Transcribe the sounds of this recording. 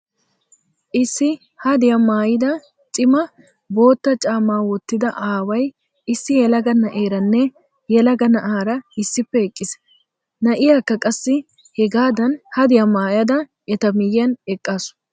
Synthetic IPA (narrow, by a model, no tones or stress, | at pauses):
ʔɪsːɪ | hɐd̪ɪjɐmaːjɪd̪ɐ | t͡sʼɪmɐ | bo̞ːt̪ːɐt͡ʃʼaːmːaːwɔt̪ːɪd̪ɐʔaːwɐj | ɪsːɪjɛlɐɡɐnɐʔeːɾɐnːɛ | jɛlɐɡɐnɐʔaːɾɐɪsːɪpːɛɛkʼːɪs | nɐʔɪjaːkːɐkʼɐsːɪ | hɛɡaːd̪ɐnhɐd̪ɪjɐmaːjɐd̪ɐ | ɛt̪ɐmɪjjɐnɛkʼːaːsʊ̥